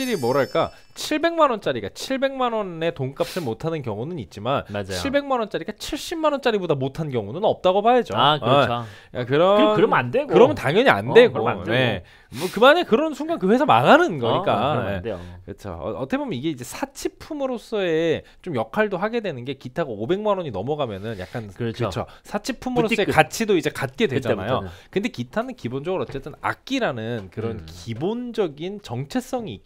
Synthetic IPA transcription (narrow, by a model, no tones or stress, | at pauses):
iɾimʌɾaɭk͈a | t͡ɕʰiɭbe̞ŋmanwʌnt͡ɕ͈aɾiɡa̰t͡ɕʰiɭbe̞ŋmanwʌne̞toŋk͈ap̚t͡ɕ͈iɭmotʰanɯnkjʌŋunɯnit̚t͡ɕ͈imanad͡ʑat͡ɕiɭbe̞ŋmanwʌnt͡ɕ͈aɾiɡat͡ɕʰiɭɕ͈imːanwʌnt͡ɕ͈aɾibodamotʰannkjʌŋunɯnʌp̚t͈aɡopajed͡ʑoakɯo | akɯɾʌɯɾʌmandeɡkɯɾʌmɯntaŋjʌɲia̰nde̞ɡone̞ | ʌkɯmaɲakɯɾʌnsʰuŋɡankɯɸwe̞sʰama̰ɡanɯnɡʌɲik͈aḛokɯt͡ɕʰo̰ʌt͈ʰʌkʰebomjʌniɡe̞id͡ʑe̞sʰat͡ɕʰipʰumɯɾos͈ʌe̞t͡ɕomjʌkʰaɭdoɦaɡe̞dwe̞nɯnɡe̞kitʰaɡaobe̞ŋmanoɲinʌmʌɡamjʌnɯnja̰k͈ankɯt͡ɕʰo̰sʰat͡ɕʰipʰːumɯɾos͈ʌeat͡ɕʰidoid͡ʑekat̚k͈e̞dwed͡ʑanajokɯnde̞kitʰanɯnkibond͡ʑʌɡɯɾoʌtt͡ɕ͈et͈ɯna̰k̚k͈iɾanɯnkɯɾʌnkibond͡ʑʌɡint͡ɕʌŋt͡ɕʰe̞s͈ʌŋiːk͈